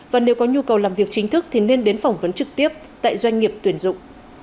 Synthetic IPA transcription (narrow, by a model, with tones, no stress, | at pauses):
vaː˨˩ne˨˦wkɔ˨˦ɲu˧kə˨˩wlaː˨˩mvi˨˩ək̚t͡ɕï˨˦ŋ̟t̪ʰɨ˦˥k̚t̪ʰi˨˩ne˧nɗe˨˦nfa˨˩wŋ͡mvə˨˦nt͡ɕɨ˨˩k̚t̪i˦˥əp̚t̪a̰ː˧˨jzwa˧ŋ̟ŋi˨˩əp̚t̪wi˧˩ənzʊ̰˧˨ŋ͡m